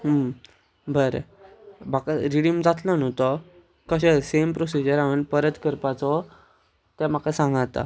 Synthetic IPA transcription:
ɦəm | bəɾḛbakaɾiɽimd͡zat̪lənɦot̪ɔ | kəɕesempɾosid͡ʑəɾaʋənpəɾət̪kəɾpat͡sɔ | t̪jam̤akasãŋɡat̪a̰

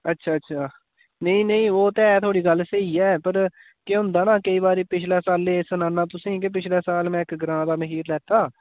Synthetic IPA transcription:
ətːʃʰaːətːʃʰaː | nəĩːnəĩːoːt̪ɛːt̪ʰoːɽiːɡəlseiːɛːpəɾ | kɪʊ̃nd̪aːnãːkəiːbaːɾiːpɪt͡ʃʰlɛːsaːlːẽːsənãːnaːt̪ʊsĩːkɪp̬ɪt͡ʃʰlɛːsaːlmɛ̃ːɪkɡəɾãːd̪aːməɦiːɾlɛːt̪aː

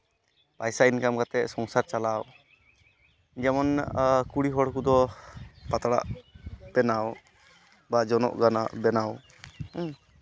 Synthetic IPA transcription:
pajsainkamkat̪ɛʔsɔŋsaɾt͡ʃalaw | d͡ʒɛmɔnkuɽiɦɔɽkud̪ɔpat̪aɽa̰ʔb̥ɛnaw | bad͡ʒɔnɔ̰ʔɡanabɛnaw

